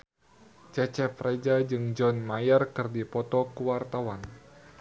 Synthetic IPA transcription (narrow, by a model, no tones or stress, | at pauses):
t͡ʃɛt͡ʃɛpred͡ʒad͡ʒɨŋd͡ʒɔnmajərkɨrdipɔt̪ɔkuwart̪awan